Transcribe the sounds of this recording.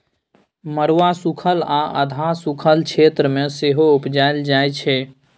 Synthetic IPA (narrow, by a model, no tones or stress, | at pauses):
məɽʋasukʰəlaʔə̰d̪ʱasukʰəlt͡ʃʰet̪ɾəmeseɦoupd͡ʒaɪld͡ʒajt͡ʃʰɛ